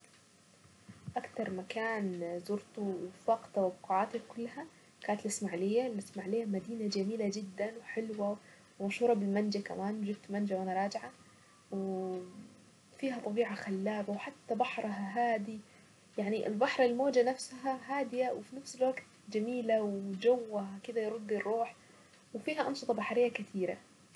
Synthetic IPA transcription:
ʔakt̪ɑɾˤmakaːnzʊɾt̪uwfɑqt̪awbquʕaːt̪ikʊlːha | kaːnat̪lɪsmaʕlɪjːalɪsmaʕlɪjːamad̪iːnad͡ʒamiːlad͡ʒɪd̪ːanwɪħɪlwa | wɪmaʃhuːɾˤɑbɪlmand͡ʒaka̰maːnd͡ʒɪbt̪mand͡ʒawɪnɾˤɑːd͡ʒɪʕa | w | fiːɦat̪ˤɑbiːʕaxalːaːbawħat̪ːabaħɾˤaɦaːd̪i | jaʕniʔɪ̰lbaħɾˤɪlmoːd͡ʒanafsɦaɦaːd̪ɪjawɪfinafsɪlwaɡt̪̚ | d͡ʒamiːlawd͡ʒawːakɪd̪ajɾˤʊd̪ːirˤːuːħ | wfiːhaʔɑnʃɨt̪ˤɑbaħɾɪjːakɪt̪ʰiːɾa̰

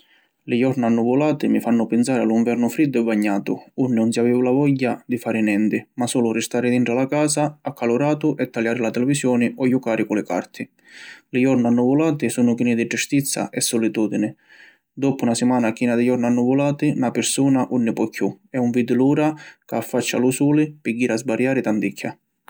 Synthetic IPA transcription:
lɪjɔɾnanːuvʊlaːt̪ɪmɪfanːʊpɪnsaːɾɪaluɱvɛɾnʊfɾid̪ːʊɛbːaɲːaːt̪ʊunːɪnʊnsiavɛːvʊlavɔʎːad̪ifaːɾɪnɛnt̪ɪmasɔːlʊrɪst̪aːɾɪd̪iɳʈɾalakaːsaakʰːalʊɾaːt̪ʊʔɛt̪ːaljaːɾɪlat̪ɛlɛvisjɔːnɪɔjukaːɾɪkʊlɪka̰ɾt̪ʰɪ | lɪjɔɾnanːuvʊlaːt̪ɪsuːnʊkiːnɪd̪ɪd͡ʒust̪it̪sːa̰ʔɛsːɔlit̪uːd̪inɪ | d̪ɔpʊunasɪmaːnakiːnad̪ɪjɔɾnanːuvʊlaːt̪ɪnapɪɾsuːnaʔunːɪpɔkʰːjuɛuɱviːd̪ɪluːɾakaafːat͡ʃːa̰lusuːlɪpɪɡːiːɾazbaɾjaːɾɪt̪and̪ikʰːa̰

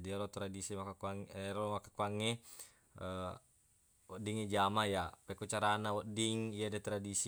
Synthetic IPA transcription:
diaɾɔt̪ɾadisimakakuaŋɾɔmakakuaŋːe | ə | wɔdiŋed͡ʒamajapɛkut͡ʃaɾanawɔdiŋiadɛt̪ɾadis

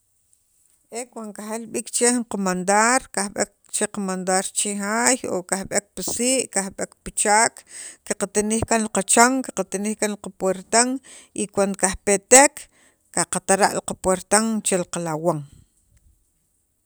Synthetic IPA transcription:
ʔekwaŋkaxelɓiːkt͡ʃehuɴqomand̪aɾkahɓek̚ | t͡ʃeqamand̪aɾt͡ʃiɦaːjo̰kahɓek̚pisiːʔkahɓekpit͡ʃaːkkaqat̪inihkanliqat͡ʃaŋkḁqat̪iniːhkanliqapweɾt̪aŋ | ʔikwand̪okahpet̪ekː | aqat̪aɾa̰ʔliqapweɾt̪aŋt͡ʃeliqalawaŋ

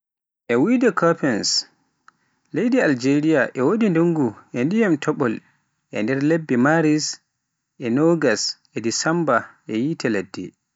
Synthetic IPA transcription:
ʔɛwidɛkʰapɛns | lejdiald͡ʒeɾijaʔɛwodinduŋɡuʔɛndijamtʰɔɓɔl | ʔɛ̰ndɛɾlebːimaɾis | ʔɛnɔɡasʔɛdisambaʔɛjitɛladːḭ

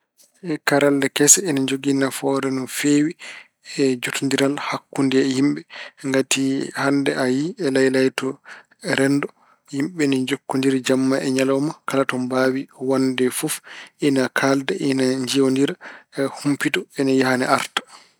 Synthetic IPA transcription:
ʔɛkaɾaldɛkɛsɛɛnad͡ʒoɡinafɔɾɛnɔfewi | ɛd͡ʒotundiɾalhakːundɛhimɓɛŋɡatihandɛʔajiɛlajlajtɔ | ɛɾɛndɔ | himɓɛnɛd͡ʒokːundiɾad͡ʒamːaʔɛɲalɔmakalatɔmbaːwiwandɛfufʔinakʰaldɛʔinaɲd͡ʒiondiɾahumpitɔɛnajahanɛʔaɾtḁ

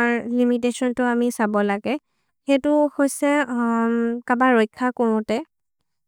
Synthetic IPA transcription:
aɹlimit̬esɔntʊamisabɔlaɡɛ | xetʊhojsɛ | kabaɹojkʰːakoɹʊ̃tɛ

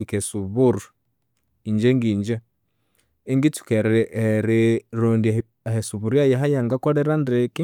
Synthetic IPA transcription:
ikɛsuβuɾu | iɲd͡ʒɛŋɡiɲd͡ʒa | ɛŋɡitu̥kɛɾɛʔːɾɛɾondi | ahɛsuβuɾjajaɦajaŋɡakɔɾɛɾandɾɛki

